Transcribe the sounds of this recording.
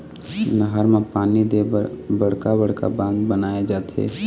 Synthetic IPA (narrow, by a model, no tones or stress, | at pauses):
nɐɦəɾmãpaːnid̪ebɐɽ̤kabɐɽ̤ka̰bãːnɡ̪bɐnaːjed͡ʒaːt̪ḛː